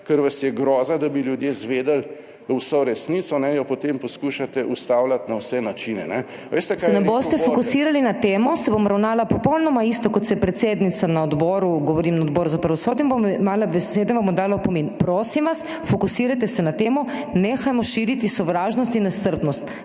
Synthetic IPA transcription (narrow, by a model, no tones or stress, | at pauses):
kəɾʋasjɛɡɾɔːzad̪abiljud̪jezʋeːd̪əl | wsoɾɛsniːt̪sɔnɛjɔpot̪emposkuʃat̪ɛʔust̪aːwlat̪nawsɛnat͡ʃinɛ̰nɛ | ʋeːst̪ɛksɛnɛboːst̪ɛfokusiːɾalinat̪eːmɔsɛbomɔɾawnaːlapɔpɔwlnɔmaist̪ɔkɔt̪sɛjpɾɛt̪seːd̪nit̪sanaɔd̪bɔːɾuɡɔʋɔɾiːmnaɔd̪bɔːɾuzapɾɐʋɔsɔːd̪imbommaːlabɛseːd̪ɛbamɔd̪aːlawpɔmeːnpɾoːsimʋas | fɔkusiːɾajt̪ɛsɛnat̪eːmɔneːxajmɔʃiːɾit̪isɔʋɾaːʒnɔst̪inːɛst̪əɾp̪nɔst̪